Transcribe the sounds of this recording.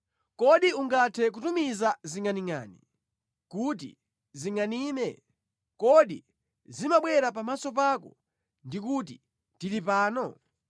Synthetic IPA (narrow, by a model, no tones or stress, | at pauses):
kɔɗiuŋɡatʰɛk̬utumizaziŋaniŋa̰nḭ | kut̬ḭ | ziŋaniːmɛ | kɔɗḭ | zimaɓwɛɾapamasɔpakɔ̰ | ndikut̬i | tilipaːnɔ